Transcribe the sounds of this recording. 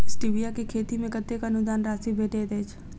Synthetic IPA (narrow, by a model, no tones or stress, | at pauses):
ɪsʈibijakekʰeːt̪imẽkɐt̪ekɐnʊd̪aːnɾaːsibʱeːʈeːd̪eːt͡ʃʰ